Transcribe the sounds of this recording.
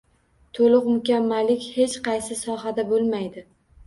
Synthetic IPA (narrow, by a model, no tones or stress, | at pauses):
t̪ʰolɨqmʊkʲamːalɪkʲhe̞t͡ʃqʰɑjsɪsɒɦad̪abolˠmajd̪ɪ